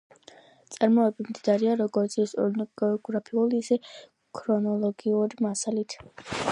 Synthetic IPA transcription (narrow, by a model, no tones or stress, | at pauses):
t̪sʼaɾmɔɛbimd̪id̪aɾiaɾɔɡɔɾt̪sʰisɔɾnɔɡɛɔɡɾapʰiuliːsɛ | kʰɾɔnɔlˠɔɡiuɾimasalit̪ʰ